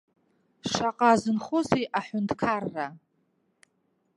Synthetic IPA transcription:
ʂaqʼazɨnχʊzejʔaħʷʊntʰkʰarːa

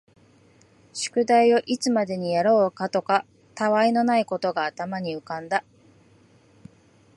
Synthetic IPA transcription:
ɕɨ̥kɯ̟d̪aio̞ʔit͡sɨmad̪e̞ɲ̟ijaɾo̞ːkat̪o̞ka | t̪aβaino̞naiko̞t̪o̞ɡaːt̪amaɲ̟iɯ̟kãnd̪a

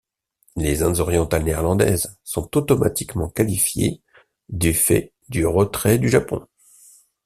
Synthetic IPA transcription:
lezɛ̃d̪zɔʁjɑ̃t̪alneɛʁlɑ̃d̪ɛ̰zsɔ̃t̪ot̪ɔma̰t̪ikmɑ̃kalifjḛ | d̪yfɛ̰ | d̪yʁət̪χɛd̪yʒapɔ̰̃

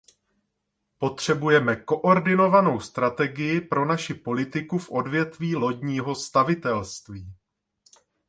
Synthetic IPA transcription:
po̞t̪r̝̥ɛbujɛmɛko̞ʔo̞ɾdɪno̞vano̞wst̪ɾat̪ɛɡɪjɪpɾo̞naʃɪpo̞lɪt̪ɪkufʔo̞dvjɛt̪viːlo̞ɟɲiːɦo̞st̪avɪt̪ɛlst̪viː

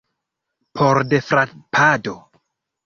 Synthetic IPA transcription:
pʰoɾdefɾapʰado

